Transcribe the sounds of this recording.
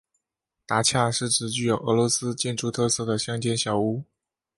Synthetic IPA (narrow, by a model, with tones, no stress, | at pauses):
t̪a˧˥t͡ɕʰja˥˩ʂɻ̩˥˩ʈ͡ʂɻ̩˨˩t͡ɕy˥˩jo˨˧˩ʊʔɤ˧˥lwɔ˧˥sɹ̩˥t͡ɕjɛ˥˧nʈ͡ʂu˥˧t̪ʰɤ˥˧sɤ˥˩d̪ə˩ɕjɑ˥ŋt͡ɕjɛ˥˧nɕjɑ˨˩ʊu˥